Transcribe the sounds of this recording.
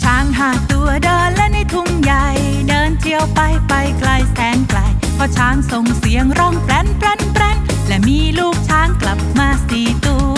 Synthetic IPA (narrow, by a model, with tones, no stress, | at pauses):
t͡ɕʰaː˦˥ŋɦaː˨˩t̪u˧˩ɐdoː˧lɛ˧˥na˧˩jt̪ʰu˧ŋja˨˩j | dɤː˧nt͡ɕʰi˧əwpa˧jpa˧jkla˧jsɛː˨˦nkla˧˩j | pʰɔ˧˩t͡ɕʰaː˦˥ŋso˨˧ŋsi˨˦əŋɾɔ˧˩ŋplɛ˧˥npɾɛ˧˥npɾɛ˧ŋ | lɛ˧˩miː˧˥luː˥˩k̚t͡ɕʰaː˦˥ŋkla˨˩p̚maː˧siː˨˩t̪u˧